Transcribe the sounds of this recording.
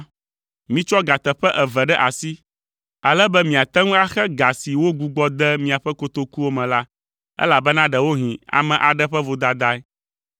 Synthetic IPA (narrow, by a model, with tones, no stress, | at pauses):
mĩ˦t͡ʃɔ˦ɡa˨t̪ɛ˨ɸɛ˦ʔɛ˨vɛ˨ɖɛ˦ʔa˨si˦ | a˨lɛ˦bɛ˦mĩ˨a˨t̪ɛ˦ŋũ˦a˦xɛ˦ɡa˨si˨wo˦ɡu˨ɡ͡bɔ˦d̪ɛ˦mĩ˨a˨ɸɛ˦ko˦t̪o˦ku˦wo˦mɛ̃˨la˦ | ɛ̰˦la˨bɛ˦nã˦ɖɛ˨wo˦ɦĩ˨a̰˨mɛ̃˨ʔa˨ɖɛ˦ɸɛ˦vo˨d̪a˨d̪a˦ɛ˦